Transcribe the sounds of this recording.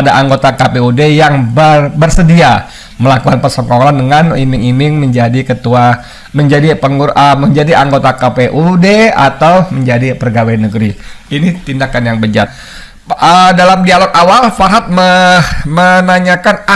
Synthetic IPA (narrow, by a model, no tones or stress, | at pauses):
adaʔaŋɡot̪akapeudejaŋbəbərsədia | məlakukanpərsɔkolandəŋanimɪŋimɪŋməɲd͡ʒadikət̪ua | məɲd͡ʒadipəŋuʔəməɲd͡ʒadiʔaŋɡot̪akapeʔudea̰t̪awməɲd͡ʒadipərɡaweanːəɡɾiinit̪indakanjaŋbəd͡ʒat̪̚ | ədalamdialokawalfaɦat̪̚məmənaɲakana